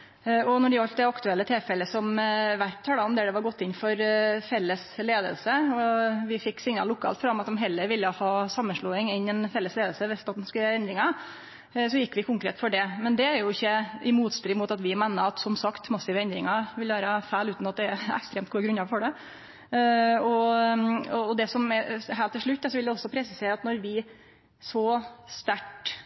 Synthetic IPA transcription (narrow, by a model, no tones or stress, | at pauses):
ɔnɔɖɛɑʎt̪d̪ɛɑkt̪ʉɛlːət̪ʰɪlfɛlːəsɔmʋæɾʈ̪ʰɑːlɑɔmd̪ɛd̪ɛʋɑɾɡɔt̪ːɪnfɔɾfɛlːəsleːd̪ə̰lsəɔʋɪfɪkːsɪŋnɑ̰lʊkʰːɑ̰ːlfɾɑmɑt̪d̪ɔmɦɛlːəɾʋɪlːəhɑːsɑmːənʂɭuːɪŋɪnɛnfɛlːəsleːd̪əlsəʋɛst̪ɑt̪n̩skːʋɛnd̪ɾɪŋɑ | sɔjɪkːʋɪkʰʊŋkɾeːt̪fɔɖɛmɛnd̪ɛæɾjʊɪçːəʔɪmuːt̪st̪ɾiːmuːt̪ɑt̪ʋɪmænəɑt̪sɔmsɑkt̪mɑsːɪʋəɛnd̪ɾɪŋɑʋɪlʋæːɾəɑfæːlʉːt̪nɑt̪̚d̪ɛæɾɛ̰kst̪ɾeːmt̪̚ɡuːəɡɾʉnɑɾfɔɖɛ | ɔ | ɔːd̪ɛsɔmɛɦæːlt̪ʰːɪlʂɭʉt̪ːd̪ɑsɔʋɪld̪ɛɔsːɔpʰɾɛsɪseːɾɑt̪nɔɾʋɪ | sɔst̪æʈ